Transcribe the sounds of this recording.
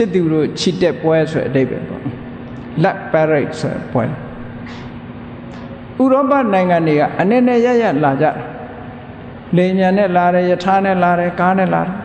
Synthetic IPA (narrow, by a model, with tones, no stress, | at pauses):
ɪ˦t̪ːu˨ɾo̰˦˨t͡ɕʰi˨tɛ˦ʔpwɛ˦so˨ɛ̰˨ʔəde˦ɪbɛ̰˨pɔ̰˦ | la˦ʔpːɛ˦ɹe˦˨t̚so˨ɾɛ̰˨pwɛ̰˦l | ʔu˨ɾɔ˦pa˦˨nã˨ɪ̃ŋã˨nde˨ɣa̰˦˨ʔənɛ˦ʔnɛ˦˨ja˦ʔja˦˨ʔla˨d͡ʑa̰˦˨da˨ | le˨mjã˨nɛ˦˨la˨ɾɛ˨jə˨tʰa˦nɛ˦˨la˨ɾɛ˨ka˦nɛ̰˦˨la̰˨ɾɛ˨